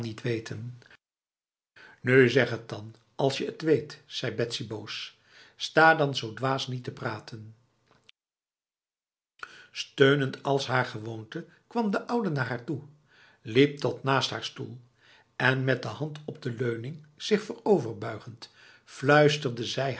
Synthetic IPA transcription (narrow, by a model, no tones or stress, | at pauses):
nitʋejtən | nyzɛχətɑn | ɑlˠsjəətʋejtz̥ɛjbɛtsibows | staːdɑnzowdʋaːsnitəpraːtʰən | støɥnəntɑlˠsɦaːɹχəʋowntə | kʋɑmdəʔʌwdənaːɹɦaːɹtu | lip̚tɔtnaːstɦaːɹstulˠ | ɛnmɛt̚dəɦɑntɔb̚dəløɥnɪŋz̥ɪχfərowvəɹbœɥχənt | flœɥstərdəzɛj